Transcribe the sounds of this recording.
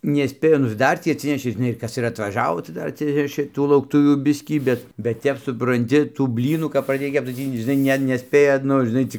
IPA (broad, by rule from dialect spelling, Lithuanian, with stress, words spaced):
nʲɛˈsʲpʲeːjʊ nʊ ɪr ˈdɐr tʲiː ɐtʲˈsʲɪnʲɛʃʲeː ʒʲɪˈnɐɪ ɪr ˈkɐs ɪr ɐtʋɐˈʒɑːʋoː tɐɪ ˈdɐr ɐtʲˈsʲɪnʲɛʃʲeː ˈtuː lˠɐʊkˈtʊʋʲuː ˈbʲɪsʲkʲiː ˈbʲɛt bʲɛt ˈtʲɛp sʊprɐnʲˈtʲɪ tuː ˈbʲlʲiːnuː kɐp prɐˈdʲeːj ˈkʲɛpt͡s tɐɪ ˈtʲiː ʒʲɪˈnɐɪ ˈnʲɛ nʲɛˈsʲpʲeːjɛ ˈnʊ ʒʲɪˈnɐɪ ˈt͡sʲɪk